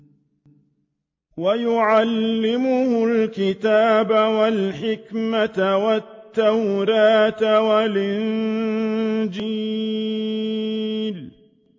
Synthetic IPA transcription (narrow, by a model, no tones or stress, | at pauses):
wajʊʕalːɪmʊhʊlkɪt̪aːbawalħɪkmat̪wat̪ːawɾɑːt̪walʔɪn | d͡ʒiː | l